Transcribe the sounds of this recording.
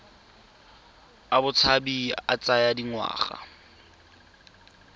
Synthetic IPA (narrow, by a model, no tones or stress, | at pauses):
abʊt͡sʰabia̰t͡sajadiŋwa̰ːχa̰